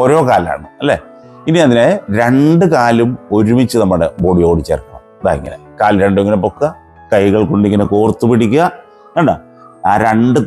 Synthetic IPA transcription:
o̞ːɾo̞ːkaːla̰ːɳɨɐlːḛː | iniɐðineɾe̞ɳɖɨkaːlumo̞ɾumit͡ɕːɨnɐmːɐɽeboːɽijoːɽit͡ɕːḛːrkːɐɐ̰mɐd̪a̰ːjeŋɡḭlḛkaːlɾeɳɖueŋːɡinɐpːokːɐ | kɐjɣɐɭkuɳɖikːinɐkoːrt̪ːupiɽikʲːuɣɐ | eɳɖɐ | aːɾe̞ɳɖɨ

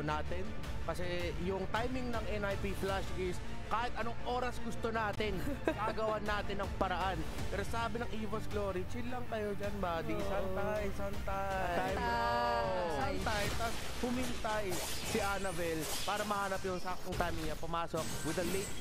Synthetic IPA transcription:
naːt̪ɪn | kɐsɛjʊŋt̪ajmɪŋnɐŋʔɛnɐjpiflaʃʔɪs | kaːhɪt̪ɐnoŋʔo̞ːɾɐsɡʊst̪onaːt̪ɪnaːɐɡɐwanːaːt̪ɪnɐŋpɐɾɐʔan | pɛːɾosaːbɪnɐŋʔiːvɐsɡloːɾit͡ʃillɐŋk̪ɐjod͡ʒanbɐd̪isant̪ajsɐnt̪a | aj | sant̪ajt̪ɐs | pʊmɪnt̪aj | sɪʔanɐvɛlpaːɾɐmɐhaːnɐpjʊŋsak̚t̪oŋt̪ajmɪŋɲɐpʊmaːsok̚wɪd̪ɐlejt̪̚

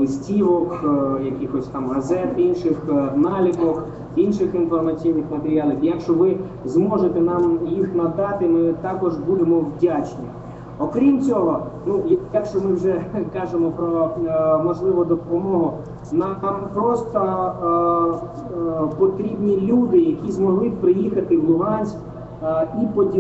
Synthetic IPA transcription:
lˠɪsʲtʲiʋɔkjɐkʲixɔsʲt̪ɑmɦɐzɛt̪inʃɪxnɑlʲikɔk | inʃɪxinfɔrmɐt͡sʲijnɪxmɐt̪eɾʲiɑlʲˠɐkjɐkʃt͡ʃɔʋɪ | zmɔʒet̪enɑmjixnɐd̪ɑt̪ɪmɪt̪ɑkɔʒbud̪emɔwdʲat͡ʃnʲi | ɔkɾʲimt͡sʲɔɦɔnujjɐkʃt͡ʃɔmɪwʒɛkɑʒemɔpɾɔmɔʒlˠɪʋɔd̪ɔpɔmɔɦʊ | nɑmpɾɔst̪ɔ | pɔt̪ɾʲibnʲilʲud̪ɪjɐkʲizmɔɦlˠɪpɾɪjixɐt̪ɪwlˠʊɦɑnʲsʲk | ipɔdʲi

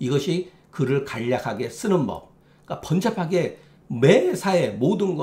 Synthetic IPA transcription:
iɡʌɕʰi | kɯɾɯɭkaʎːakʰaɡe̞s͈ɯnɯnbʌ̰p̚ | k͈apʌnt͡ɕʰapʰaɡe̞ | mesʰae̞modɯnɡʌ

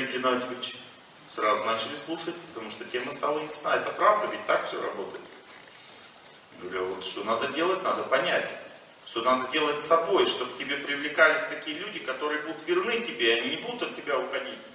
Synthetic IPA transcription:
ɪɡʲɪnad̪ɪvʲɪt͡ɕ | srazʊnat͡ɕɪlʲɪslˠuʂətʲpə̥t̪ɐmuʂt̪otʲe̞məst̪alˠənʲɪssna̰ɛt̪əpɾavd̪əvʲɪt̚ʲt̪akfʲsʲo̰ɾɐ̰bo̞t̪əjɪt̪ | ɡəvɐɾʲuvot̪ʂt̪o̞nad̪ədʲe̞lˠətʲnad̪əpɐnʲætʲ | ʂt̪o̞nad̪ədʲe̞lˠətʲsɐbo̞jʂt̪o̞btʲɪbʲe̞pɾʲɪvlʲɪkalʲɪsʲt̪ɐkʲijəlʲudʲɪkɐt̪o̞ɾɨjəbud̪ʊt̪vʲɪrnɨtʲɪbʲeɐnʲinʲɪbud̪ʊt̪ɐt̪tʲɪbʲaʊxɐdʲitʲ

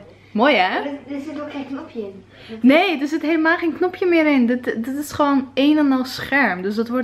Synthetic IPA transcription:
moːjɛsɪtoenknɔpʰjəɪn | neːdəsɪtɦeːləmaːlˠχeːnknɔpʰjəmɪəɾɪndɪtdɪtɪsχəʋoːneːnɔnɔlˠsχɛɹmdøsdɔtʋɔ

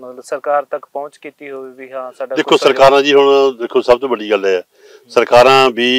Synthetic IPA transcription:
səɾkaːɾt̪əkpɔ̃ʊ̃t͡ʃkiːt̪iɦoːibiːɦãːsaːɖaːd̪ɪkʰːoːsəɾkaːɾãːd͡ʒiːɦʊɳd̪ekʰːoːsəbt̪õːbəɖiːɡəlɦɛː | səɾkaːɾãːbiː

